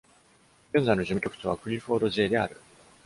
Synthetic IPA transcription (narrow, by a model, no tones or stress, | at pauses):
ɡ̥ẽ̞ñzainoʑɨmɯ̟kʲo̞kɯ̥t̪oβ̞aɸɯ̟ɾʲiɸo̞ːd̪o̞ʑeːd̪e̞a̰ɾɯ̟